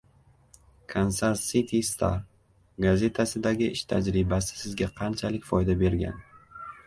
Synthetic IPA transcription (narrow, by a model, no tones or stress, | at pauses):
kʰonsaɾsit̪ʰist̪ʰa̰ɾ | ɡaze̞t̪ʰasɪd̪aɡʲɪʔɪʃt̪ʰad͡ʒɾɪbasɪ̥sɪzɡʲaqʰɑnt͡ʃʰalɪkʲfɒjd̪abe̞ɾɡʲa̰n